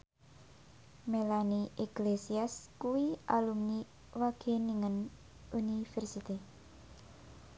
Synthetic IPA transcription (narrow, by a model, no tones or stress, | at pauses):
melaniʔiklesiaskuwiʔalumni | waɡ̥eniŋən | unifɛrsit̪i